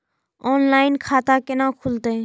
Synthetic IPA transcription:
oːnlaːɪnkʰaːt̪akenãːkʰʊlt̪eː

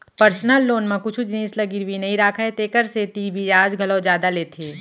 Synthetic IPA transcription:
pəɾsnəlːoːnmẽkʊt͡ʃʰud͡ʒniːslɐɡɪɾwinɐɦĩɾaːkʰaɦet̪eːkəɾset̪ibʱiaːd͡ʒɡʱɐlod͡ʒjaːd̪aleːt̪ʰeː

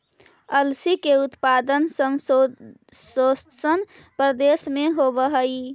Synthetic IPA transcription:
əlsikeut̪pad̪ənsəmso | sossən | pɾəd̪esmeɦobəɦəj

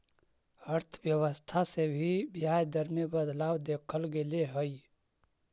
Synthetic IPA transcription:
əɾt̪ʰbjəwəst̪ʰasebʱibɪɦaːjd̪əɾmebəd̪laːwd̪eːkʰəlɡeleɦəi

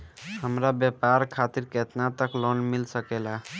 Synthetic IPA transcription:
həmɾabjepaɾkʰat̪iɾket̪nat̪əklɔnmilsəkɛla

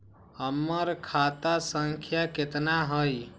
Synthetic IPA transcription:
əmːəɾkʰat̪asəŋkʰjaket̪naɦəj

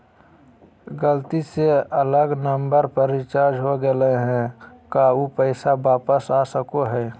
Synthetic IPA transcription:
ɡəlt̪iseələɡnəmbəɾpəɾɪt͡ʃaːd͡ʒɦoɡəleɦɛ̃kaupəɪsabaːpəsasəkoɦɛː

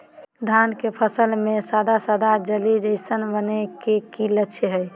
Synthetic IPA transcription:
d̪ʱankepʰəsəlmesad̪ʱasad̪ʱad͡ʒəlid͡ʒəɪsənbənekekilət͡ʃʰɦəj

